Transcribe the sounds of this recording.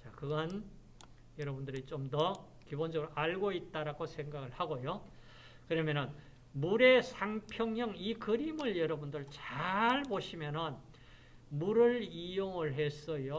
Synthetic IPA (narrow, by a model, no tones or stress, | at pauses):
t͡ɕakɯɡʌn | jʌɾʌbundɯɾit͡ɕomdʌ | kibond͡ʑʌɡɯɾoʔaɭɡoit̚t͈aɾaɡosʰe̞ŋɡaɡɯɭhaɡojo | kɯɾʌmjʌnɯn | muɾe̞sʰaŋpʰjʌŋɲʌŋikɯɾimɯɭjʌɾʌbundɯɭt͡ɕaɭpoɕʰimjʌnɯn | muɾɯɭijoŋɯɭɦes͈ʌjo